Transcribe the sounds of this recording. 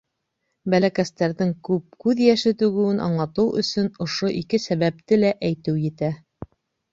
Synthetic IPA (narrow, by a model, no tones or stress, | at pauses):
bælækæst̪æɾðɘŋkʉp̚kʉðjæʃɘt̪ʉɡɘ̆wɘnʔɑ̰ɴlˠɑt̪ɤwʔɵ̰̆sɵnŏʃoʔikɘsæβæp̚t̪ɘlæʔæjt̪ɘwjɘ̆t̪æ